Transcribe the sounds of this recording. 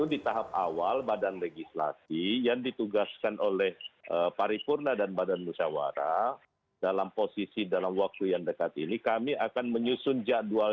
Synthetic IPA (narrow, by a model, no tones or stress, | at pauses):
udit̪aɦap̚awalbadanreɡisla̰sijaŋdit̪uɡaskanʔolɛhʔəpaɾipurnadanbadanmusawa̰ɾa̰ | d̥alamposisidalamwak̚t̪ujaŋdəkat̪inikamiakanməɲusʊnd͡ʒaʔdua